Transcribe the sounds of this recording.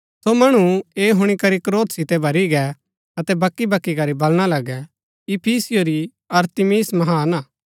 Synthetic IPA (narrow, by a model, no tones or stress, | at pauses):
somɐɽ̃ueːɦʊɽ̃ikɐɾikɾoːt̪sɪt̪ɛbʱɐɾiɡɛ | ɐt̪ɛbɐkːibɐkːikɐɾibɐlɽ̃alɐɡɛ | ɪpʰiːsɪjoɾi | ɐɾt̪ɪmiːsmɐɦaːnaː